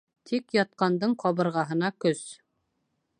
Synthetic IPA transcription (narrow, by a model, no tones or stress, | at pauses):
t̪ʰikjɒt̪̚qɑnd̪ɤɴqʰɒβɤ̆ɾʁɑɦɤ̆nɑkɵs